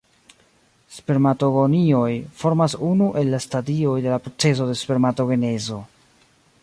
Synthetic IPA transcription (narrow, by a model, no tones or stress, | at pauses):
spe̞ɾmato̞ɡo̞nio̞jfo̞ɾmasunuʔe̞lːastadio̞jde̞lapɾot͡se̞s̬o̞de̞spe̞ɾmato̞ɡe̞ne̞zo̞